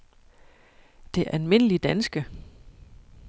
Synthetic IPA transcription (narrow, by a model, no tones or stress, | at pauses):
d̥e̝ʔælme̝n̰əlid̥ænsɡ̥ə